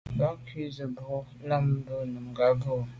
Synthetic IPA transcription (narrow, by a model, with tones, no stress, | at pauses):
ba˦kʰi˦zə˨bɔ˨˦ | la˦m˦bə˦nə˨m˨ɡa˨bə˦˨